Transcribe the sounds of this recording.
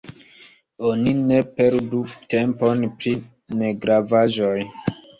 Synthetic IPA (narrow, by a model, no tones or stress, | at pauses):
onine̞peɾdutempo̞npɾi | ne̞ɡɾavaʒoj